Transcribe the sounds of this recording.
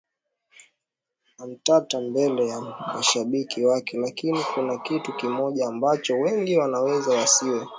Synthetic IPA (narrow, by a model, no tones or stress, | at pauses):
nam̩tatambɛlɛjamaʃaɓikiwakɛlakinikunakitukimɔʄaːmbat͡ʃɔwɛŋɡiwanawɛzawasiwɛ